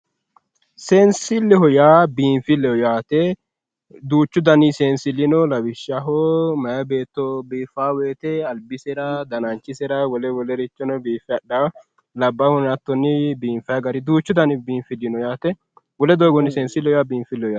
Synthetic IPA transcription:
sɛnsɪlːɛɦɔjaːbiːɱfɪlːɛɔjaːt̪ɛ | d̪uːt͡ʃːʊd̪ɐnɪseːnsɪlːɪnɔlɐwɪʃɐɦɔmɐjɐbe̞ːt̪ːɔbiːfaːweːt̪ɛɐlbɪsɛɾɐd̪ɐnɐnt͡ʃːɪsɛɾɐwɔlɛwɔlɛɾɪt͡ʃːɔnɔbiːfɛjɐɗa | lɐbːɐhɔnɐt̪ːɔnːɪbiːnfɐjɐɡɐɾɪd̪uːt͡ʃːʊd̪ɐnɪbiːnfɪlːɪnɔjaːt̪ɛ | wɔlɛd̪oːɡɔnːɪsɛːnsɪlːɛhɔjaːbiːnfɪlːɛɔjaː

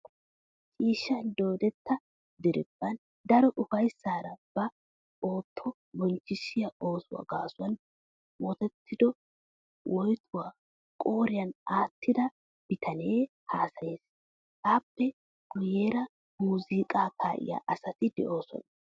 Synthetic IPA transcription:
t͡ʃʼiːʃːɐnd̪o̞ːd̪ɛt̪ːɐ | d̪ɪɾɪbːɐn | d̪ɐɾɔʔʊfɐjsːaːɾɐb̥ɐ | ʔo̞ːt̪ʰːɔ | bɔnt͡ʃːɪʃɪjɐo̞ːsʊwa̰ːɡaːsʊwɐn | wɔt̪ɛt̪ʰːɪd̪ɔ | wʔɔjt̪ʰʊwaː | kʼo̞ːɾɪjɐnaːt̪ːɪd̪ɐ | b̥ɪt̪ʰɐne̞ː | haːsɐje̞ːs | aːpːɛ | ɡ̥ʊjeːɾɐ | muːziːkʼaːkʰaːʔɪ̰ja̰ːʔɐsɐt̪ɪd̪ɛʔo̞ːsɔ̰nɐ

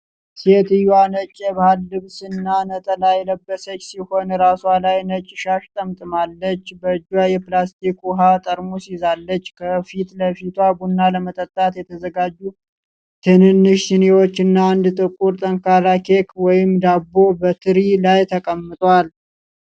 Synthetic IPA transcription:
set̪ɨjwanət͡ʃʼːɛbahalːɨβsɨnːanət̪ʼəlajləbːəsət͡ʃːsiho̞nɾaswalajnət͡ʃʼːɪʃaʃt̪ʼəmt̪ʼɨmalːət͡ʃːbəd͡ʒwajɛplast̪ʰikuɦat̪ʼəɾmusizalːət͡ʃːkʰəfit̪ləfit̪ʰwabunːaləmət̪ʼət̪ʼːat̪jɛt̪ʰəzəɡad͡ʒːu | t̪ʰɨnɨnːɨʃzɪnewo̞t͡ʃːɨnːaːnd̪t̪ʼɨkʼuɾt̪ʼəŋkʰaɾakʰekwɔjɪmd̪abːo̞bət̪ʰɨɾilajt̪ʰəkʼəmːɨt̪ʼwal

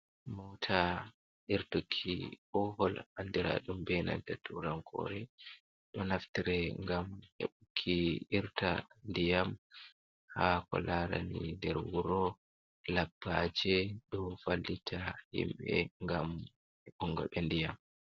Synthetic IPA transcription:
mɔtʰa | ʔiɾtokʰːiɓɔhɔlandiɾa̰ɗumbɛna̰ntatuɾaŋkʰɔ̰ɾɛ | ɗɔnaftiɾɛŋɡamhɛ̰ɓukʰːiiɾtandijam | hakɔ̰laɾanindɛɾwuɾɔ | labːad͡ʒɛɗɔfalːitʰahḭmɓɛ̰ŋɡam | ɛɓuŋɡɔ̰ɓɛndijam

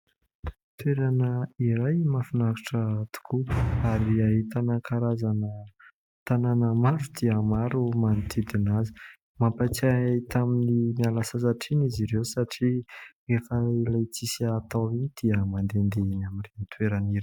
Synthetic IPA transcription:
t̪weɾanəiɾajmafinaki̥ʈ͡ʂət̪u̥kʰuaɾiaɦit̪anakʰaɾazanə | t̪ananəmaɾud̪iəmaɾumanit̪ʰid̪inazi̥ | mampat͡sait̪aminimialasasaʈ͡ʂiniziɾewsaʈ͡ʂirefəailajt͡sisat̪ainid̪̥iəmand̪end̪einamirinit̪weɾaniɾ

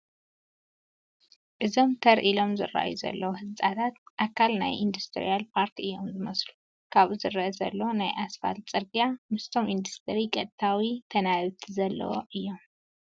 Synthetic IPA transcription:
ʔɨzo̞mt̪ʰɐɾʔilo̞mzɨ̰ra̰ʔjuzɐ̰lːɐwohɨzt͡sʼat̪ʰat̪ʔakʰalna̰jʔind̪ust̪ʰɨɾḭalpʰaɾt̪ʰiɨjːo̞mzɨmɐslu | kʰaβuzɨɾɐʔzɐ̰lːɐwonajʔasfa̰lt͡sʼɨɾɡijamɨst̪ʰo̞mʔind̪ust̪ʰɨɾikʼɐd̪̚t̪ʰawit̪ʰɐnaβt̪ʰizɐlːɐ̰wo̰ʔɨjːo̞m

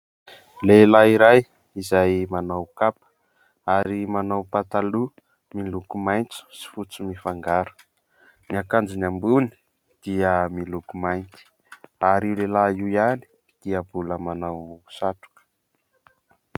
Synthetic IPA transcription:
lelaiɾaj | izajmanawkapə̥ | aɾimanawpat̪alu | milukumajnt͡su̥si̥fut͡sumifaŋɡaɾu̥ | niakand͡ʒunambuni̥ | d̪̥iəmilukumajnt̪i̥ | aɾiwlelaiwjani̥ | d̪̥iəbuləmanawsaʈ͡ʂu̥kə̥

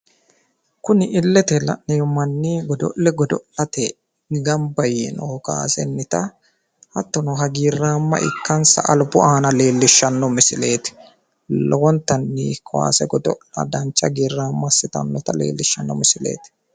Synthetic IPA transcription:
kʊnɪʔɪlːɛt̪ɛlɐ̰ʔnɛjɔmɐnːiːɡɔd̪ɔ̰ʔlɛɡɔd̪ɔʔɐt̪ɛ | ɡɐmbɐjɛnoːka̰ːsɛnːɪt̪ɐ | hɐt̪ːɔnɔɦɐɡiːrːaːmːɐ̰ʔɪ̰kːɐnsɐ̰ʔɐlbʊʔaːnɐle̞ːlːɪʃːɐnːɔmɪsɪle̞ːt̪ɪ̥ | lɔwɔnt̪ɐnːiːkʰɔwa̰ːsɛɡɔd̪ɔ̰ɐ̰d̪ɐnt͡ʃːɐɡiːrːaːmːɐsɪt̪ɐ̰nːɔt̪ɐlḛːlːɪʃːɐnːɔ̰mɪsɪlḛːt̪ɪ̥

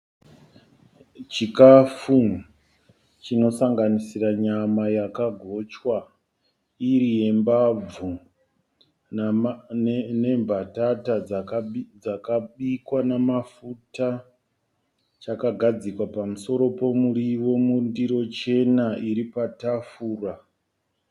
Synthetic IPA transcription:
t͡ʃikafu | t͡ʃino̞saŋɡanisiraɲamajakaɡʱo̞t͡ʃwa | iɾije̞mbab͡vu | ne̞mbʱatatad͡zkd͡zakaɓikwanamafuta | t͡ʃakaɡʱad͡zikwapamuso̞ɾo̞po̞muɾiʋo̞mundiɾo̞t͡ʃe̞naiɾipatafuːra

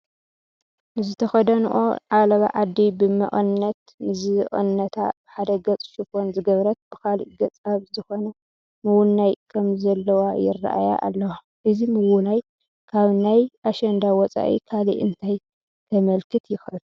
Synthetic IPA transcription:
nɨzɨt̪ʰɐxɐd̪ɐnɨ̰ʔo̰ʕalɐβa̰ʕad̪ːibɨmɐ̰ʔʼɨnːɐt̪ | mɨzɨʔʼɨ̰nːɐt̪ʰa̰b̥ɨħad̪ɐɡɐt͡sʼʃifo̞nzɨɡɐβɾɐt̪̚b̥ɨkalḭʔɡɐt͡sʼaβzɨxo̞nɐ | mɨwunːajkʰɐmzɐlːɐwajɪ̰ra̰ʔa̰ja̰ʔa̰lːɐwa | ʔɨzimɨwunaj | kʰaβnajʔaʃɐnd̪awɔt͡sʼa̰ʔḭkʰalḭʔɨ̰nt̪ʰaj | t̪ʰɐmɐlkʰɨt̪jɪxʔɨl

